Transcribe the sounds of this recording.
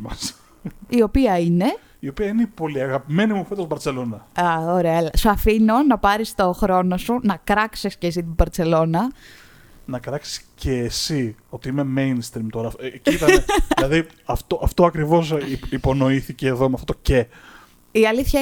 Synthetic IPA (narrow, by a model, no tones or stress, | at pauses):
mɐs | io̞piɐine̞ | iopiɐinepo̞liɐɣɐpime̞nimofet̪ost̪bɐɾt͡se̞lo̞nɐɐoɾeɐlɐsuɐfino̞nɐpɐɾist̪o̞xɾo̞no̞sunɐkɾɐksiscesit̪ibɐɾt͡se̞lo̞nɐ | nɐkɾɐksi̥sceːsio̞t̪iime̞mejnst̪ɾimt̪o̞ɾɐfcit̪ɐlɐði | ɐft̪oʔɐft̪o̞ɐkɾivo̞sipo̞no̞iθice̞ːðomeɐft̪ot̪oce | iɐliθçɐ